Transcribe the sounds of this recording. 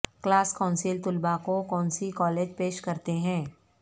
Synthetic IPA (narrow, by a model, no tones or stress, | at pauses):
klaːskãʊnsɪlt̪ʊlbakokɔ̃ːnsikɔːleːd͡ʒpeːʃkɐɾt̪eɦɛ̃ː